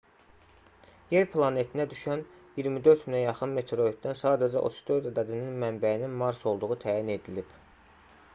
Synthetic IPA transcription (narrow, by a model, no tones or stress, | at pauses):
je̞ɾpʰlˠɑne̞t̪ʰinæd̪yʃænjiɾmid̪ø̞ɾt̪minæjɑχɯnme̞t̪ʰɾoit̪̚d̪ænsɑːd̪æd͡ʒæ̰ʔo̰t̪ʰu̥z̥d̪ø̞ɾd̪æd̪æd̪ininmæmbæininmɑɾso̞lˠd̪uʁut̪ʰæːjine̞d̪ilib̥